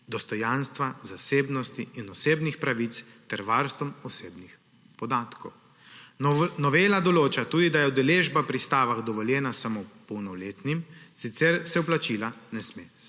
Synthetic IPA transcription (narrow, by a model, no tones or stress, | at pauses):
d̪ɔst̪ɔjanst̪ʋazaseːbnɔst̪iːnɔseːbnixpɾaʋit̪st̪ɛɾʋaɾst̪ʋɔmɔseːbnix | pɔd̪aːt̪kɔw | nɔʋeːlad̪ɔloːt͡ʃat̪uːd̪id̪ajɛud̪ɛleʒbapɾist̪aːʋaɣd̪ɔʋɔljɛːnasamopɔwnɔwleːt̪nimsit̪sɛɾsɛuplat͡ʃilanɛsme